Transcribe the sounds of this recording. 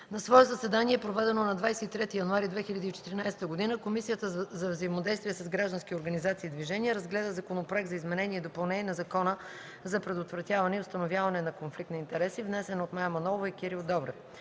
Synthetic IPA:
nɐsvɔɛt̪zɐsɛd̪aniɛpɾovɛd̪ɛnonɐd̪vajsɛit̪ɾɛt̪ijɐnʊaɾid̪vɛxiʎʲɐd̪iːt͡ʃɛt̪iɾinajsɛ̥t̪əɡod̪inəkomisijət̪əzɐvzəjimod̪ɛjst̪viɛsɐzɡɾaʒd̪ɐnskʲioɾɡɐnizat̪siːd̪viʒɛniəɾɐzɡlɛd̪əzɐkonopɾoɛk̚t̪zɐizmɛnɛnʲiɛd̪opɐlˠnɛnɐzɐkɔnə | zɐpɾɛd̪ot̪vɾɐt̪ʲjavɐnɛiʊst̪ɐnovʲjavɐnɛnɐkonflikt̪ɐint̪ɛɾɛsivnɛsɛnot̪majəmɐnɔvoikʲiɾilˠd̪ɔbɾɛf

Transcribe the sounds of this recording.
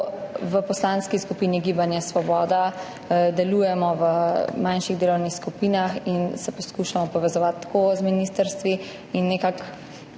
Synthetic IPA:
ʋəpɔslaːnskiskupiːniɡibanjasʋɔbɔːd̪a | d̪ɛlujɛmɔʋəmanʃiɣd̪eːlɔwnixskupinaxinsɛpɔskuːʃamɔpɔʋɛzɔʋat̪ːkozminist̪əɾst̪ʋi | inːekak

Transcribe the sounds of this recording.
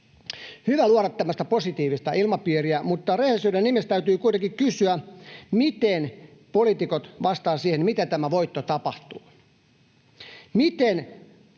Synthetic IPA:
hyʋæluoɾɑt̪ːæmːæst̪æposit̪iːʋist̪ɑʔilmɑpiːɾiæmut̪ːɑrehesydennimest̪æyt̪yːkuit̪eŋkikkysyæmit̪enpolit̪ikot̪ʋɑst̪ɑːsiːhenmit̪æt̪æmæʋoit̪ːot̪ɑpɑht̪uː | mit̪en

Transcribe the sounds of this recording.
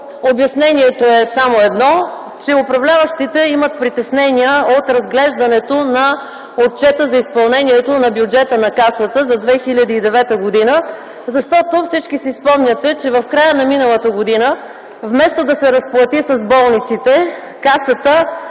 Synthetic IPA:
objɐsnɛniɛt̪oɛsamoɛd̪nɔ | t͡ʃɛʊpɾɐvlʲavəʃt̪it̪ɛimɐt̪̚pɾit̪ɛsnɛniəot̪ɾɐzɡlɛʒd̪ɐnɛt̪onɐ | ot̪̚t͡ʃɛt̪əzɐispɐlˠnɛniɛt̪onɐbjud͡ʒɛt̪ənɐkasət̪əzɐd̪vɛxilʲəd̪iːd̪ɛvɛt̪əɡod̪inə | zɐʃt̪ɔt̪ofsit͡ʃkisispɔmnʲət̪ɛt͡ʃɛvɐfkɾajənɐminəlˠət̪əɡod̪inə | vmɛst̪od̪ɐsɛɾɐsplˠɐt̪isɐzbɔlˠnit̪sit̪ɛ | kasət̪ə

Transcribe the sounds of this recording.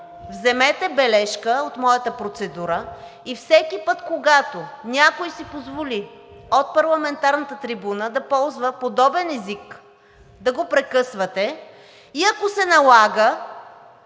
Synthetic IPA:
vzɛmɛt̪ɛbɛlɛʃkəot̪mɔjət̪əpɾot̪sɛd̪uɾə | ifsɛkipɤt̪koɡat̪onʲakojsipozvoliot̪̚pɐɾlˠɐmɛnt̪aɾnət̪ət̪ɾibunəd̪ɐpɔlˠzvəpod̪ɔbɛnɛzik | d̪ɐɡopɾɛkɤsvɐt̪ɛ | iɐkosɛnɐlˠaɡə

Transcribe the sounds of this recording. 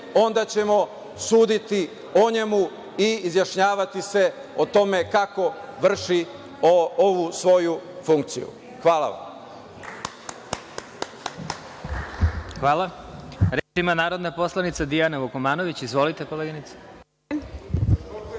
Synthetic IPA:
o̞nd̪at͡ɕe̞mo̞ | suːd̪it̪i | oɲe̞mu | iːzjaʃɲaːʋat̪ise̞ | ot̪o̞me̞kako̞ʋr̩ʃi | ooʋusʋo̞jufuŋkt̪sḭjṵ | xʋaːla̰ʋa̰m | xʋaːlˠaɾet͡ʃimanaːɾod̪napo̞slˠanit̪sad̪ijanaʋokomaːno̞ʋit͡ɕizʋo̞lit̪ekoleːɡinit̪sḁ

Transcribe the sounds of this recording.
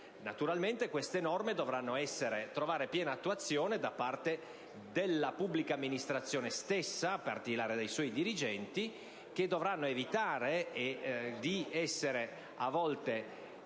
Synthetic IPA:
nat̪uɾalment̪ekwest̪enɔrmed̪ovɾanːoɛsːeɾet̪ɾovaːɾepjɛːnaːt̪ːuat̪sːjoːned̪apart̪e | d̪elːapubːlikamːinist̪ɾat̪sːjoːnest̪esːapa̰rt̪ilaːɾed̪ejswɔːjd̪iɾid͡ʒɛnt̪i | k̟ed̪ːovɾanːoevit̪aːɾeː | d̪iɛsːeɾe | avːɔlt̪e

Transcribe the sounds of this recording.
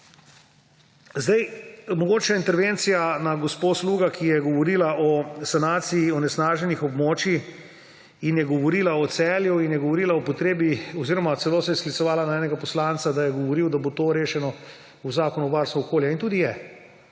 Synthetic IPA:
zd̪ajmɔɡoːt͡ʃaint̪ɛɾʋent̪sijanaɡosposluːɡakʰijɛɡɔʋɔɾiːlaʔɔsanaːt̪siiɔnɛsnaːʒɛnixɔbmoːt͡ʃi | injɛɡɔʋɔɾiːlaɔt̪sɛːljuinjɛɡɔʋɔɾiːlaɔpɔt̪ɾeːbiɔziːɾɔmat̪sɛloːsɛjɛsklitsɔʋaːlanaɛːnɛɡapɔslant̪sad̪ajɛɡɔʋɔɾiwd̪abot̪oːɾeːʃɛnɔ | uzaːkɔnuʋaɾst̪ʋɔɔkoːljɛint̪ud̪ijɛ

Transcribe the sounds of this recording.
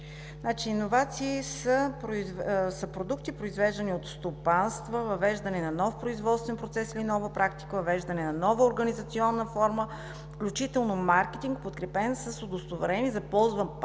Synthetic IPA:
nat͡ʃiːnːovat̪siːsəpɾovsəpɾod̪ukt̪ipɾoizvɛʒd̪ɐniot̪st̪opanst̪vəvɐvɛʒd̪ɐnɛnɐnɔfpɾoizvɔt̪st̪vɛnpɾot̪sɛsilinɔvəpɾakt̪i̥kəvɐvɛʒd̪ɐnɛnɐnɔvəoɾɡɐnizɐt̪siɔnːəfɔɾmə | fklʲut͡ʃit̪ɛlˠnomaɾkɛt̪iŋkpot̪kɾɛpɛnsəsod̪ost̪ovɛɾɛnizɐpɔlˠzvənp

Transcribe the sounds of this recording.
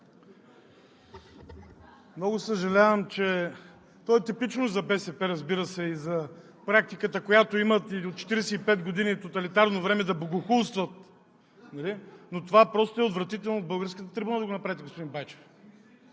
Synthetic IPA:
mnɔɡosəʒɐlʲavəmt͡ʃɛ | t̪ɔɛt̪ipit͡ʃnozɐbɛsɛpɛɾɐzbiɾəsɛizɐ | pɾak̚t̪ikət̪əkojat̪oimət̪iot̪̚t͡ʃɛ̥t̪iɾɛsɛipɛd̪ɡod̪init̪ot̪ɐlit̪aɾnovɾɛmɛd̪ɐboɡoxulˠst̪vət̪̚ | nɐlinot̪ovapɾɔst̪oɛot̪vɾɐt̪it̪ɛlˠnovbəlˠɡəɾskət̪ət̪ɾibunad̪ɐɡonɐpɾavʲit̪ɛɡospod̪inbajt͡ʃɛ̥f

